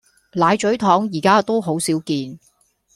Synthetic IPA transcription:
laː˨˧jt͡ʃɵ˨˥ɥt̪ʰɔː˨˥ŋjiː˨˩kaː˥t̪o˥wɦo˨˥wsiː˨˥wkiː˧n

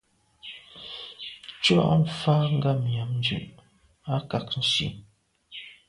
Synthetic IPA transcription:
t͡ʃɔ̰˦˨ʔɱ̩˨faː˦ŋ̩˦ɡa˦˨mja˨˦mn˦d͡ʒʉ̰˨ʔ | a˦ka˨k̚n̩˦sḭ˨

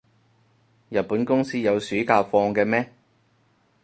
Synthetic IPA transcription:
jɐ˨t̚puː˨˥nkʊ˥ŋsiː˥jɐ˨˧wsyː˨˥kaː˧fɔː˧ŋkɛː˧mɛː˥

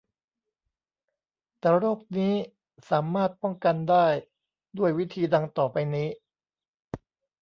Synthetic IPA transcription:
t̪ɛː˨˩ɾoː˥˩k̚niː˦˥ | saː˩˦maː˥˩t̪̚pɔ˥˩ŋka˧ndaː˥˩j | du˥˩əjwi˦˥t̪ʰiː˧da˧ŋt̪ɔː˨˩pa˧jniː˦˥

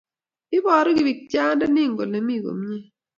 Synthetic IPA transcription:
ɪ˦bɔ˨ɾɔ˦ɡɪ˨wi˨k̚t͡ʃa˦nda˦nɪ˦˨ŋɡo̰˨le˨mi˦˨ɡo̰˨m˦ɲe˦

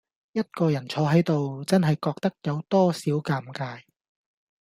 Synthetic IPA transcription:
jɐ˥t̚kɔː˧jɐ˨˩nt͡ʃʰɔː˨˧ɦɐ˨˥jt̪o˨wt͡sɐ˥nɦɐ˨jkɔː˧k̚t̪ɐ˥k̚jɐ˨˧wt̪ɔː˥siː˨˥wkaː˧mkaː˧j

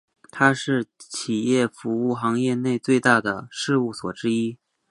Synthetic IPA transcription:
t̪ʰa˥ʂɻ̩˥˩t͡ɕʰi˨˩jɛ˥˩fu˧˥u˥˩xɑ˧˥ŋjɛ˥˧ne˥˧ɪt͡swe˥˧ɪt̪a˥˩d̪ə˩ʂɻ̩˥˧u˥˩swɔ̰˨˩ʈ͡ʂɻ̩˥i˥

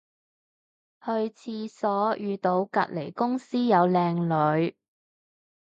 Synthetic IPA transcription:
hɵ˧ɥt͡sʰiː˧sɔː˨˥jyː˨˧t̪o˨˧wkɐ̰˨t̚le˨˩jkʊ˥ŋsiː˥jɐ˨˧wlɛː˧ŋlɵ˨˧ɥ

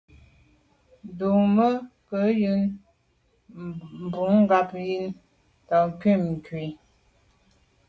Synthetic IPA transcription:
du˨mə˦kə˨˦jɯ˦n | m˨bu˨˦ŋ˦ɡa˨pji˦n | tɔ˨kɥi˦˨mŋ̩˨kɥi˨

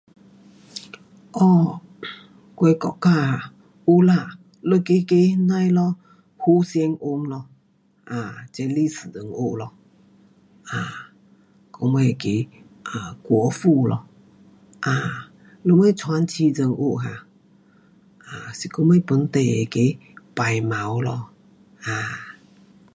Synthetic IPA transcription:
ʔɔ˧˨ | kwɛ˧˦kɔ̰˧˨ʔka˧˨ | ʔu˧la˧˨ | lə˧˦ke˧˦ke˧na˧jlɔ˧ | hu˧˦sjɛ˧˦ŋʔo˧˦mlɔ˧ | ʔa˨t͡ɕɛ˧˦li˦˨sɨ˨d͡zə˨ŋʔo˧˨ʔlɔ˧ | a˨ | kɔ˧˦mə˧˨ke˧˨ | ʔa˨kwɔ˨˦fu˧˨lɔ̰˧ | ʔa˨ | lə˧˦mə˦˧˨t͡sʰwa˧˦nt͡ʃʰi˧˦d͡zə˧˨ŋʔo˦˨ʔɦa˨ | a˨si˧˨kɔ˧˦mə˧jpə˨˦nt̪ɛ˨ḛ˧˨ke˦pa˨jma˨˦wlɔ˧ | ʔa˨

